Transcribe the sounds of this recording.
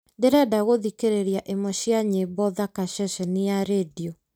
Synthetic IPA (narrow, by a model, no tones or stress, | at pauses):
ndeɾɛdaɣoðikeɾeɾjaʔemɔɕjaɲebɔðakaʃɛʃɛnijaɾediɔ